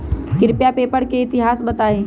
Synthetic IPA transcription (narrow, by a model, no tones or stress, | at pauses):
kɪɾpjapeːpəɽkeɪt̪ɪɦaːsbɐt̪aːẽː